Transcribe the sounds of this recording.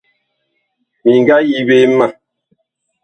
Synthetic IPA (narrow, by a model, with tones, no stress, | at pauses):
mi˨ŋ˨ɡa˦ji˦be˦ma˦˨